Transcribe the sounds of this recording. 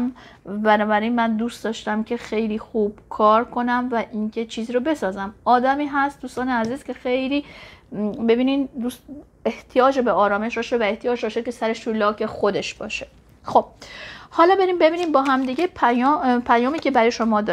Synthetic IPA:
m | bænɒːbæɾiːnmænd̪uːst̪d̪ɒːʃt̪æmcʰe̞xe̞jliːxuːb̥kʰɒːɾkʰo̞næmvæʔiːŋcʰe̞t͡ʃʰiːziːɾobe̞sɒːzæmɒːd̪æmiːɦæst̪d̪uːst̪ɒːneæziːz̥kʲʰe̞xe̞jliː | be̞biːnind̪uːs | eht̪ʰijɒːd͡ʒebeɒːɾɒːme̞ʃɾɒːʃevæeht̪ʰijɒːd͡ʒɾɒʃe̥cʰe̞sæɾe̞ʃt̪ʰulɒːkʰe̞xo̞d̪e̞ʃb̥ɒ̰ːʃe̥ | xo̞b̥̚hɒːlɒːbe̞ɾiːmbe̞biːnimbɒːɦæmd̪iːɟe̞pʰæjɒpʰæjɒːmiːce̞bæɾɒːjeʃo̞mɒːd̪ɒ

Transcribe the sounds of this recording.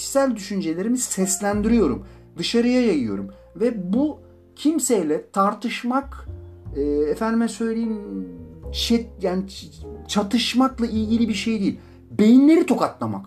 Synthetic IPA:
sælʲd̪yʃynd͡ʒe̞lʲe̞ɾimizsɛslʲænd̪iɾijo̞ɾṵm | d̪ɯʃaɾɯjajajɯjo̞̰ɾum | vɛbu | cʰimsejlʲɛt̪ʰaɾt̪ʰɯʃmak | ɯːɛfænd̪imɛsø̞jlʲe̞jim | t͡ʃʰɛjaːnit͡ʃʰat̪ʰɯʃmaklˠailɟilʲibiɾʃe̞jd̪iːḭlʲ | be̞jinlʲe̞ɾit̪ʰo̞kat̪lˠama̰k

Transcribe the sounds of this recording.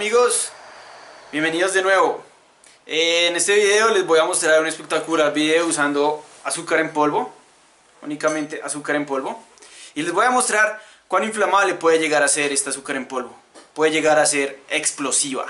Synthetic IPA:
miɣo̞s | b̥je̞mbe̞nið̞o̞zd̪e̞nwe̞βo | eːne̞st̪eβiðeo̞le̞zbo̞jamo̞st̪ɾaɾunespe̞k̚t̪akulabiðeousand̪o̞asukaɾempolβo̞ | ṵnikamẽnt̪e̞ʔasukaɾe̞mpo̞lβo̞ | ile̞zbo̞jamo̞st̪ɾaɾ | kwanĩɱflamaβlepwe̞ðeʝe̞ɣaɾase̞ɾe̞st̪easukaɾe̞mpo̞lβo̞ | pwe̞ðeʝe̞ɣaɾase̞ɾeksplo̞siβa̰

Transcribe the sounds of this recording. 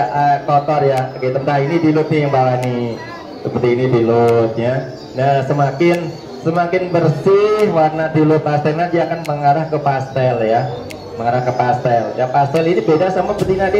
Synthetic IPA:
ʔəkɔt̪ɔrjaket̪əŋkainidilʊt̪̚nɪjaŋbalani | səpərt̪iːnidilʊt̪̚ɲa | nasəmakɪn | səmakɪnbərsɪhwarnadilʊt̪̚past̪ɛlnadiaːkanməŋaɾahkəpast̪ɛlja | məŋaɾahkəpast̪ɛljapast̪ɛlinibedasamabərt̪inadia

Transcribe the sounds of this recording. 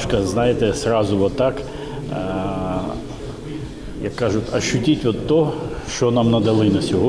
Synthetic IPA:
ʃkɐznɑjet̪ɛsrɑzʊʋɔt̪ːɑk | jɐkːɑʒʊtʲɐʃːʊtʲitʲʋɔt̪ːɔʃt͡ʃɔnɑmnɐd̪ɐlˠɪnɐsʲɔɦɔ

